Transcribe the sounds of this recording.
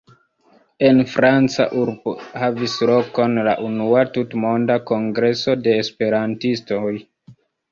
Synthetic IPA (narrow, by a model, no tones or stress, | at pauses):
e̞nfɾant͡sa̰ʔuɾbohavislo̞ko̞nlaʔunuatutmo̞ndako̞ŋɡɾe̞so̞de̞ːspe̞ɾantistoj